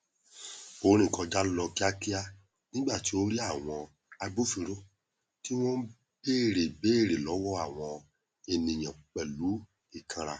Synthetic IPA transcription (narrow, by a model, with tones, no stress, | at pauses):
o˧ɾ̃ĩ˦˨kɔ˧d͡ʒa˦lɔ˧ki˦a˦ki˦a˦˨ | nĩ˦ɡ͡ba˦˨ti˨˦o˦ɾi˦a˦˨w̃ɔ̃˧ | a˧bo˦fi˧ɾo˦ | ki˦w̃ɔ̃˦ | be˦˨ɾe˨be˦e˦˨ɾe˨lɔ˨˦wɔ˦a˦˨w̃ɔ̃˧ | e˧nĩ˨j̃ã˨k͡pɛ˨lu˨˦ | i˦˨kʰã˧ɾa̰˧